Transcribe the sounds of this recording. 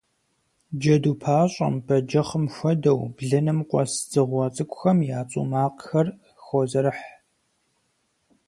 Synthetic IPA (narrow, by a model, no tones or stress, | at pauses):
d͡ʒɐduːpʰaːɕʼɐ̰mbɐd͡ʒɐχəmxʷɔdɐwbɮɨnɨmqʷʼɔ̰sz̥ɨʁʷɐt͡sʼɨkʷʼʊxɐmjaːt͡sʼṵmaːqxɐr | xɔzɐɾɨħ